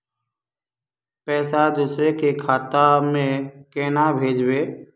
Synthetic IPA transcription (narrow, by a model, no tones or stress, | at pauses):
pɛːsad̪uːsɾekekʰaːt̪amẽkɛːnabʱeːd͡ʒbeː